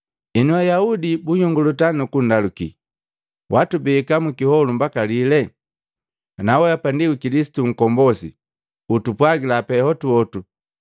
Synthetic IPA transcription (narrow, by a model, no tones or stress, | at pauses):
inuajaudibuɲɔŋɡulutanukun̩dalukḭ | watubikamukihɔlumbakalilɛ | nawɛjapandiukilisi̥tuŋ̩kɔmbɔsḭ | utupwaɡilapɛhɔtuɔtu